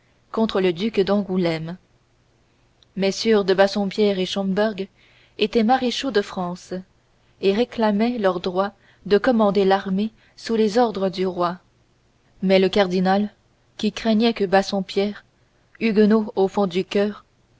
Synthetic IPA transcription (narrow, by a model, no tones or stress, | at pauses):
kɔ̃t̪χələd̪ykd̪ɑ̃ɡulɛm | mɛsyʁd̪əbasɔ̃pjɛʁeʃɑ̃mbɛʁɡ | et̪ɛmaʁeʃod̪əfχɑ̃s | eʁeklamɛlœʁd̪ʁwa | d̪əkɔmɑ̃d̪elaʁme | sulezɔʁd̪ʁəd̪yʁwa | mɛləkaʁd̪inal | kʲikχɛɲɛkəbasɔ̃pjɛʁ | yɡnoofɔ̃d̪ykʲœːʁ